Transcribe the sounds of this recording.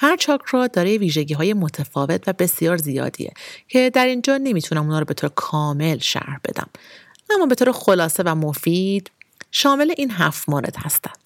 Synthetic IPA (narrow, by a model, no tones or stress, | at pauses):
hæɾt͡ʃʰɒːkʰɾɒːd̪ɒːɾejeviːʒe̞ɟiːɦɒːje̞mo̞t̪ʰæfɒːve̞t̪ʰvæbe̞sijɒːɾzijɒ̰ːd̪ḭjḛcʰe̞d̪æɾind͡ʒɒːne̞miːt̪ʰunæmunɒːɾɔbe̞t̪ʰoːɾekʰɒːme̞lʃæ̰ɾhbe̞̰d̪æ̰m | ʔæmːɒːbet̪ʰoːɾexo̞lɒːse̞væmofiːd̪̥ʃɒːme̞le̞ʔiːnɦæft̪moːɾe̞̰d̪̥hæst̪ænd̪̥